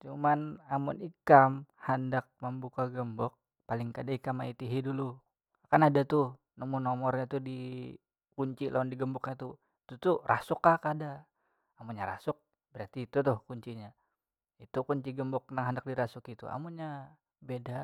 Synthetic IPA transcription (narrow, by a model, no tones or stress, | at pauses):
t͡ʃumanamʊ̰nikamhandak̚məmbukaɡəmbɔk̚ | palɪŋkadaikamait̪iɦidulu | akanadat̪ʊh | nɔmunɔmɔrɲat̪udi | kuɲt͡ʃilʔaandiɡəmbɔk̚ɲat̪u | it̪ut̪urʔasʊkakadaː | muɲaɾa̰sʊk̚ | bəɾart̪iːt̪ut̪ʊhkuɲt͡ʃiɲa | it̪ukuɲt͡ʃiɡəmbɔk̚ənaŋɦandak̚diɾasʊkit̪ṵa̰muɲa | beda